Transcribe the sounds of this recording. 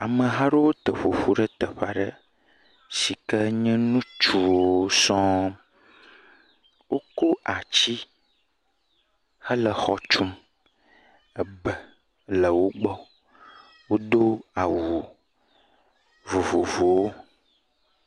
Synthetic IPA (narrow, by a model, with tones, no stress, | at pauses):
a˨mə˨ɦã˦ɖo˦wo˦t̪ə˨ɸo˨ɸu˦ɖə˦t̪ə˨ɸa˨ɖə˦ | si˨kə˦ɲɛ̃˦nũ˦t͡ʃu˨wwo˦sɔ̃˦ | wʔo˦ko˦ʔa˨t͡ɕi˦ | hə˦lə˨xɔ˨t͡ʃu˦m | ə˨bə˨ | lə˨wo˦ɡ͡bɔ˦ | wo˦d̪o˦a˨wu˨ | vo˨vo˨vo˨wo˦